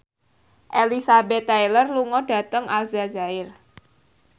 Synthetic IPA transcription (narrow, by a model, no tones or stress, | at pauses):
ʔelisabɛt̪ːajlərluŋɔɖ̥ä̤t̪əŋʔalzazaɪr